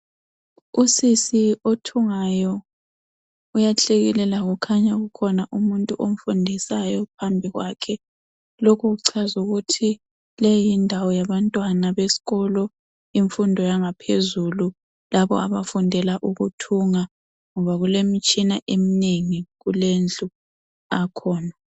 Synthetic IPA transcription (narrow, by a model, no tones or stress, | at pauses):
usisiotʰuŋajɔ | ujaɬeɣilɛlaɣukʰaɲaɣukʰɔnaʔumuntʼuʔom̩fundʱisajɔpʰambʱiɣwaːkʰɛ | lokʰuɣuǀʰazuɣutʰi | lejindʱawɔjaβantʼwanaβesi̥ɣɔlɔ | iɱfundʱɔjaŋapʰezulu | laβɔ̰a̰βafundʱɛlaʔuɣutʰuŋa | ŋɔβaɣulemit͡ʃʼinaʔemineŋiɣulend͡ɮu | akʰɔːna